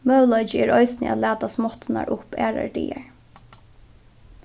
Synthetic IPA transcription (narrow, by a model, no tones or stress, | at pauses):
mœwlɔʏt͡ʃɪɛɹɔjsnɪ̰a̰t̪læːt̪asmɔht̪ɪna̰ɹʔʊpɛ̰ːɹa̰ɹʈḭːaɹ